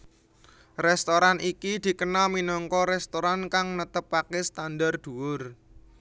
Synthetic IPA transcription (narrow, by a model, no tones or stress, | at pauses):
rɛst̪oɾanʔikid̪̥i̤kənaminɔŋkɔɾɛst̪oɾankaŋnət̪əpːakɛst̪andard̪̥uwʊr